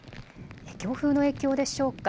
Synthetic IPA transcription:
ekʲo̞ːɸɯ̟ːno̞e̞ːkʲo̞ːd̪e̞ɕo̞ːkːa

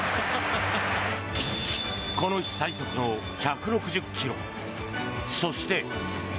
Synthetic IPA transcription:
ko̞no̞i̥saisokɯno̞ | çakɯ̟ɾo̞kɯ̟ʑɯkʲʰːiɾo̞̰ | so̞ɕi̥t̪e̞

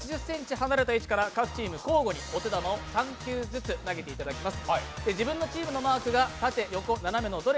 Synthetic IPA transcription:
t͡ɕiʑɨsːẽ̞ɲ̟t͡ɕihanaɾe̞t̪ait͡ɕi̥kaɾakakɯ̟̥t͡ɕiːmɯ̟ko̞ːɡo̞ɲ̟io̞t̪e̞d̪amao̞sãŋkʲɨːzɨt͡sɨnaɡe̞t̪e̞it̪ad̪akʲimasɨ̥d̪̥ed͡ʑibɯ̃nːo̞t͡ɕiːmɯ̟no̞maːkɯ̟ɡat̪at̪e̞jo̞ko̞naname̞nod̪o̞ɾe

